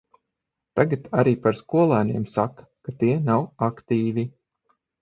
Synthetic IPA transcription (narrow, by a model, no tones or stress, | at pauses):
t̪aɡat̪aɾiːpaɾskuɔlˠaːneɛmsak | kat̪iɛnawakt̪iːvi